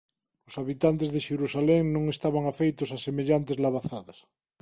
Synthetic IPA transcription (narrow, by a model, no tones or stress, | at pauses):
osaβit̪ant̪ezðeʃeɾusaleŋnõŋest̪aβ̞aŋafejt̪osasemeʎant̪ezlaβaθaðas